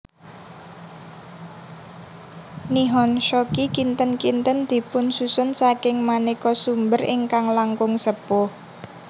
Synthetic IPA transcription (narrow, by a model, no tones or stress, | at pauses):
niɦɔnʃɔkikint̪ənkint̪ənd̪̥i̤pʊnsusʊnsakɪŋmanikɔsumbərɪ̰ŋkaŋlaŋkʊŋsəpʊh